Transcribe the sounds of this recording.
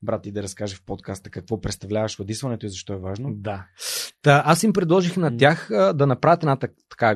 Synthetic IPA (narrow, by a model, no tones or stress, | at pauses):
bɾat̪id̪ɐɾɐskaʒəfpot̪kast̪ə̥kɐkvɔpɾɛt̪st̪ɐvlʲavɐʃɾod̪isvɐnɛt̪oizɐʃt̪ɔɛvaʒnod̪at̪aʔasimpɾɛd̪lˠɔʒixnɐt̪ʲjaxəd̪ɐnɐpɾavʲjət̪ɛd̪nat̪ɐ | t̪ɐ̥ka